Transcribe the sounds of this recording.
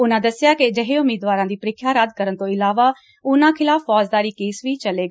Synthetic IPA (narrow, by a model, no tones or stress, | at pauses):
ʊnãːd̪əsɪjaːkɪd͡ʒəɦeʊmiːd̪ʋaːɾãːd̪iːpəɾɪkʰjaːɾaːd̪kəɾənt̪õːɪlaːʋaː | ʊnãːkʰɪlaːfʰːɔːd͡ʒd̪aːɾiːkeːsʋiːt͡ʃəleːɡa